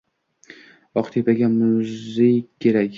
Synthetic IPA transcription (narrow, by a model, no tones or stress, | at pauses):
ɒqt̪ʰepaɡʲamʊzɪkʰʲːe̞ɾakʲ